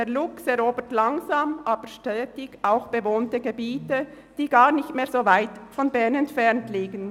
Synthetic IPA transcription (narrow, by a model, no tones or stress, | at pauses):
deːlʊksɛɾoːbəɹtlaŋzaːmʔaːbəʃtœːtɪçʔaʊxb̥əvoːntəɡebiːtə | d̥iːɡaːʁnɪçtmeːɐz̥oːvaɪtfɔnbɛɐnɛntfɛʁntliːɡən̩